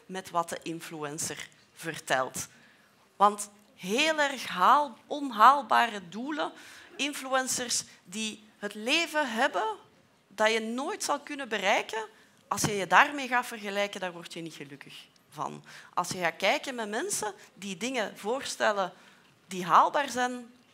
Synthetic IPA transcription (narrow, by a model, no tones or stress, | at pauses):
mɛtʋɑt̚dəʔɪnfluɛnsər | vərtɛ̰lˠt | ʋɑnt | ɦeːlˠɛrxɦalɔnɦaːlˠbaːrəduːləɪnfluɛnsərsdi | ɦətleːvəɦɛbə | d̥ɑjənoːjtsɑlˠkʏnəbərɛjkə | ʔɑlˠsjəjədaːrmeːɣaːtv̥ərɣəlɛjkəndaːrʋɔrtjənitxəlɵkəx | vɑ̰nʔɑ̰lˠsjəɣaːkɛjkənmɛmɛnsədidɪŋəvoːrstɛlə | diɦaːlˠbaːrzɛn